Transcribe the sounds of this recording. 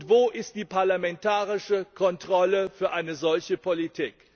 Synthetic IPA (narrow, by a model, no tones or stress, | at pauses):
tv̥oːʔɪstd̥iːpaɐlamɛntaːʁɪʃəkʰɔntʁ̥ɔləfyːɐʔaɪnəzɔlçəpʰolitʰiːk